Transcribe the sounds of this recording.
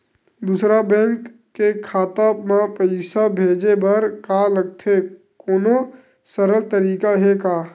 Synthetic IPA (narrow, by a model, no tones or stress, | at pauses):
d̪usɾabɛ̃ːŋkː | ekʰaːt̪amãpəɪsabʱeːd͡ʒebəɾkaləɡ̚t̪ʰe | koːno | səɾəlt̪əɾiːkaɦekaː